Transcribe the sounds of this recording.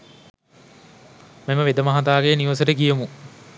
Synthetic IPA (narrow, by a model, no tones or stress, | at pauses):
meməʋed̪əmɐɦat̪aːɡeːniʋɐsəʈəkijəmu